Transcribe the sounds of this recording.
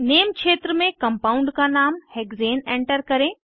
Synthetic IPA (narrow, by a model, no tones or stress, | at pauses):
neːmkʃeːt̪ɾəmẽkɐmpaːũɳɖkanaːmheːɡzeːnẽːɳʈəɾkɐɾẽ